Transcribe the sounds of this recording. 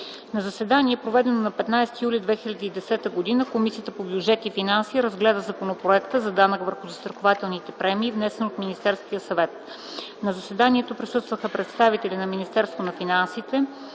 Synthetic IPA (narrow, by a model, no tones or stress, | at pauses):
nɐzɐsɛd̪aniɛpɾovɛd̪ɛnonɐpɛt̪najsɛ̥t̪ijulʲid̪vɛxilʲɐd̪iːd̪ɛsɛt̪əɡod̪inəkomisijət̪əpobjud͡ʒɛt̪ifinansiːɾəzɡlɛd̪əzɐponopɾoɛkt̪əzɐd̪anəkvəɾxʊzəst̪ɾɐxovat̪ɛlˠnit̪ɛpɾɛmiːvnɛsɛnot̪minist̪ɛɾsk̟ʲiəsɐvɛt̪̚ | nɐzəsɛd̪aniɛt̪opɾisɤst̪vəxəpɾɛt̪st̪avit̪ɛlʲinɐminist̪ɛɾst̪vonɐfinansit̪ɛ